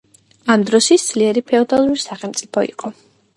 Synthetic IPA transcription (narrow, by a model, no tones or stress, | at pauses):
amd̪ɾɔʃid̪z̥liɛɾipʰɛɔd̪alˠuɾisaχɛlˠmt̪sʼipʰɔḭqʼɔ